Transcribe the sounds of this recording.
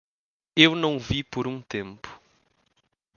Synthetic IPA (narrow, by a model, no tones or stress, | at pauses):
ewnɐ̃w̃vipoɾũt̪ẽmpʊ̥